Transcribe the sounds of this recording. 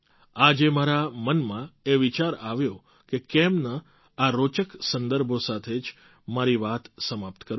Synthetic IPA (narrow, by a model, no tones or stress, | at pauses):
ad͡ʒemaɾamənmãeʋit͡ʃaɾaʋjõ | kekɛmnə | aɾot͡ʃəksənd̪əɾbʱosat̪ʰed͡ʒ | maɾiʋat̪səmap̚t̪kəɾ